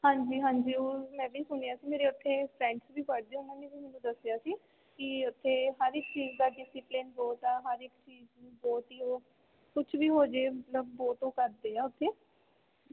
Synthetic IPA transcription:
hãːɲd͡ʒiːɦãːɲd͡ʒiːoːmɛ̃ːbiːsʊnjaːsiːmeːɾeːʊt̪ʰːeːpʰɾɛ̃ːɳɖsbiːpəɽd̪eõmɛ̃ːnẽsiːmɛːnũːd̪əsɪjaːsiː | kɪʊt̪ʰːeːɦəɾɪkt͡ʃiːzd̪aːɖɪsɪplɪnbɔːt̪aːɦəɾɪkt͡ʃiːznũːbɔːt̪iːoː | kʊt͡ʃʰʋiːɦoːd͡ʒeːmət̪ləbːɔːt̪oːkəɾd̪eːɛːʊt̪ʰːeː

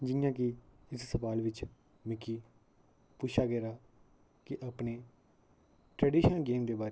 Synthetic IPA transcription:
d͡ʒɪjãːkɪɪssəʋaːlʋɪt͡ʃ | mɪkːiː | pʊːt͡ʃʰaːɡɛːɾaː | kɪʔapneː | ʈɾɛːɖiːʃənɡeːmd̪eːbaːɾe

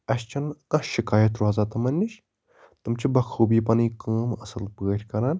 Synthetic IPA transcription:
ɐst͡ʃʰɐnkɐ̃ʃɪkaːjɐt̪ɾuɐzaːt̪ɐmɐnʲːiʃ | t̪ɨmt͡ʃʰibɐkʰuːbiːpɐnikaːmɐsəlpɨəɾʲʰkɐɾaːn

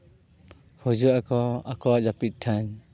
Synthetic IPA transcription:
hud͡ʒuakɔa̰kɔaʔd͡ʒapit̪̚ˀʈʰaɲ

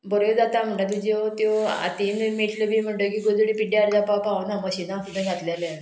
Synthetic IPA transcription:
bəɾed͡zat̪am̤əɳɖat̪̬ud͡ʑet̪joa̰t̪inmeʈləbim̤əɳʈəkiɡod͡zɽipiɖeaɽd͡ʑapawpawnaməɕinasud̪ʱãɡʱat̪lele

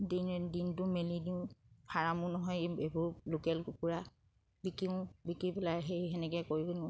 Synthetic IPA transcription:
dindintʊmelidiʊ̃pʰaɹamʊnɔɦɔjebʊɹlokɛlɡukuɹa | bikiʊ̃bikipɛlaɹɦejɦɛnɛkɛkoɹikonĩ

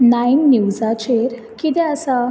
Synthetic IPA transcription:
nainːiwd͡zat͡ɕeɾ | kit̪ɛ̃əsa

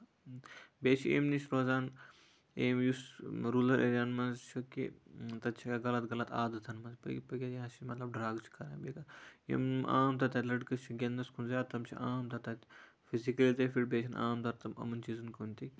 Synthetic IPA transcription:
beːt͡ʃʰiḛːmnisɾoːzaːn | eːmjusɾuːlɐɾʔḛːɾʲaːnmɐnzt͡ʃʰukḭt̪ɐt͡ʃʰikaɡɐlɐt̪ɡɐlɐt̪aːd̪ɐt̪ʰɐnmɐnzpɐ̰pɐɡʲeɐt͡ʃimɐt̪lɐb̚ɖɾaːɡt͡ʃʰi̥kɐɾãːbeːkɐḭma̰ːmt̪ɐt̪ɐt̪lɐɖkɐt͡ʃʰuɡʲɐnd̪ɐskʰunzjaːd̪̚t̪ɐmt͡ʃʰḭʔaːmt̪ʰɐt̪ɐt̪ | fizikɐlit̪ɐfiɾbeːt͡ʃʰina̰ːmt̪ɐɾt̪ɐmɐ̰mɐnt͡ʃizunkonʲt̪i

